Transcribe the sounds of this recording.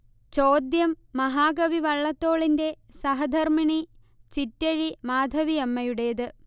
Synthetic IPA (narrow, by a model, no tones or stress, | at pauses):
t͡ɕo̞ːd̪jɐmːɐɦaːɡɐʋiʋɐɭːɐt̪ːo̞ːɭinde̞ | sɐɦɐd̪ʱɐrmiɳi | t͡ɕitːɐɻimaːd̪ʱɐʋiɐmːɐjuɽe̞ːðɨ